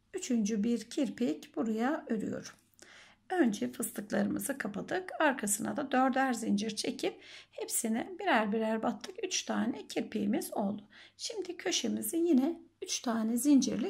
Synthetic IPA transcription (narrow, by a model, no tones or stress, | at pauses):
yt͡ʃʰynd͡ʒybiɾcʰiɾpʰicb̥uɾajaøɾy̰jo̞̰ɾ | ønd͡ʒɛfɯst̪ʰɯklˠaɾɯmɯ̰zɯkʰapad̪ɯkaɾkʰasɯna̰d̪ad̪øɾd̪æɾzind͡ʒiɾt͡ʃʰe̞cʰip̚hepsinɛbiɾæɾbiɾæɾbat̪ʰːɯkyt͡ʃt̪ʰaːnɛcʰiɾpʰijːmizo̞lˠd̪ʊʃimd̪icʰø̞ʃemizijinɛyt͡ʃt̪ʰaːnɛzind͡ʒḭɾlʲi